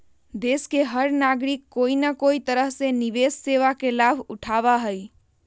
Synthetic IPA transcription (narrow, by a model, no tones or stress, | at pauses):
d̪eskeɦəɾnaɡɾikːoinakoit̪əɾəɦseniʋesseʋakelabʱuʈʰaβaɦəj